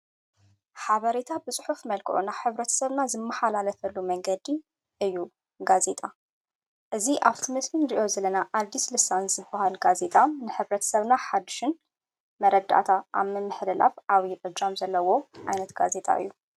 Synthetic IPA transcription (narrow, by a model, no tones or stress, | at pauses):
ħaβɐɾet̪ʰabɨsʼɨ̥ħufmɐlkʰɨʔunaħɨβɾɐt̪ʰɐ̥sɐβnazɨmːɐħalalɐfɐlːumɐŋɡɐd̪i | ʔɨjːu | ɡaze̞t̪ʼa | ʔɨziʔaβt̪ʰimɨslinɾiʔo̞zɐlɐnaʔad̪islɨsanzɨbːahalɡaze̞t̪ʼamnɨħɨβɾɐt̪ʰɐ̥sɐβnaħad̪ːɨʃɪn | mɐɾɐd̪a̰t̪ʰaʔa̰βmɨmɨħlɨla̰fʔaβiʔɨd͡ʒamzɐlːɐwo̞ʕajnɐt̪ɡaze̞t̪ʼa̰ɨ̰jːu